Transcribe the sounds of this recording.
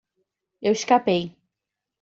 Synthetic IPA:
ewɪʃkapej

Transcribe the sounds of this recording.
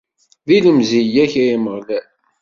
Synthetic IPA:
ðiləmzijæçæjməʁðæ

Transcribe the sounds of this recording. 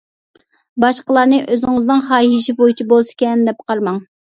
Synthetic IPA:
bɑʃqəlˠɑɾnɨʔøzɪŋɨznɨŋχɑːɦiʃibojit͡ʃʰibolˠsɪ̥kʲɛnd̪ɛp̚qʰɑɾmɑŋ

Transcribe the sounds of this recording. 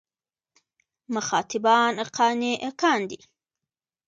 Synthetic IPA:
məxɑːt̪ɪbɑːnəqɑːniʔəkɑːnd̪i

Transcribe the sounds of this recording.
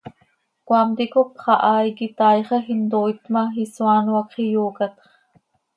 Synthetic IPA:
kʷwɑmt̪ikopχɑʔɑikit̪ɑjχexind̪oit̪mɑxisuɑnuɑkχijuːkɑt̪χ

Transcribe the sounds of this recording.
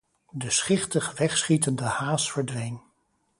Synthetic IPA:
dəsχɪχtəχʋɛχsχitəndəhaːsfəɹdʋejn

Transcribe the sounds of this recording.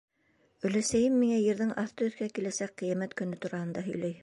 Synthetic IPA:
ɵ̆læsæjɘmːiŋæjɘ̆ɾðɘŋɑθt̪ɤɵ̆θkækilæsæk̚qijæmæt̪kɵ̆nɵt̪uɾɑhɤ̆nd̪ɑɦɵ̆jlæj

